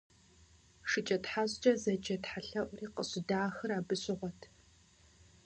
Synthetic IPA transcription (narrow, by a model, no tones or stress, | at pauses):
ʂɨt͡ʃʼɐtħaːɕʼt͡ʃʼɐzɐd͡ʒɐtħaɬɐʔʷʼriːqəɕʼɪdaːxɨraːbɨɕʼɪʁʷɔtʰ